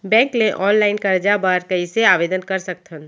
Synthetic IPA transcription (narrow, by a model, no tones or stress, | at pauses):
bɛ̃ːŋklẽʔɔːnlaːɪnkɐɾd͡ʒabaːɾkɐiseaːʋeːd̪ənkɐɾsək̚t̪ʰən